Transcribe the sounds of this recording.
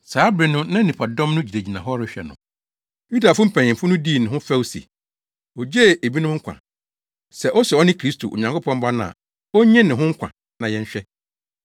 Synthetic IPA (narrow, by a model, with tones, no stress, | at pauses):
saː˨˦bɾɪ˨nʊ̃˦nã˦nĩ˨pʰa˨dɔ̃˦mnʊ̃˦d͡ʑi˨ɾe˨d͡ʑi˨nã˨ɦɔ˦ɾɪ˦ɕᶣɛ̰˨nʊ̰̃˨ | ju˦da˨fʊ˦m̩˦pʰæ̃˨ɲ̃˨ɪ̃˨m˨fʊ˦nʊ̃˦di˦˨nɪ̃˨ɦʊ̃˦fɛ˦wsḭ˨ | ɔ˨d͡ʑe˦˨e˨bi˦nʊ̃˦m˦ŋ̩˦kʷʰa̰˨ | sɛ˨ʔɔ˦sɛ˨ɔ˦nɪ̃˦kʰɾi˦stʰo̰˨ʔo̰˨ɲã˨ŋko˦pʰɔ̃˦m̩˦bã˦nʊ̃˦˨a̰˨ | ɔ˦ɲɛ̃˦nɪ̃˨ɦʊ̃˦ŋ̩˦kʷʰã̰˨ | nã˨jɛ̃˦ɲ˦ɕᶣɛ˦